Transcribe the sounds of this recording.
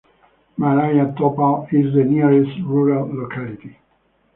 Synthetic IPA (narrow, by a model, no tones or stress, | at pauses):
malajat̪ɔpaizðəniɹɛstɹuɹalːokʰaliti